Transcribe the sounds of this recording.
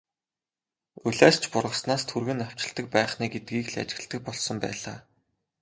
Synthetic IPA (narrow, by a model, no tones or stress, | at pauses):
uɮæːst͡ɕʰpʊrʁə̆snaːst̪ʰurɣɘ̆naw̥t͡ɕɪ̆ɮt̪ə̆k̚pæːχniːɡet̪̚ɡiːkɮa̰t͡ɕɪ̆ɣɘ̆ɬt̪ɘ̆k̚pɔɮsɞ̆mpæ̰ːɮa̰ː